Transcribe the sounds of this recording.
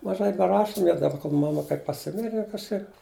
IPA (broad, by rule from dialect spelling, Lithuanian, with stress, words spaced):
mɐˈʒɐɪ bʲɛˈrɑːʃʊm jɛʊ dɐˈbɐ koːlˠ mɐˈmɐ kɐɪ pɐˈsʲɪmʲɪrʲɛ jɛʊ kɐʃˈkɐɪp